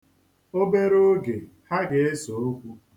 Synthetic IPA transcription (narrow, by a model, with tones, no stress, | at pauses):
o˦be˦ɾo˦ɡe˨ | ha˦ɡe˨e˦so˨o˦kʷu˦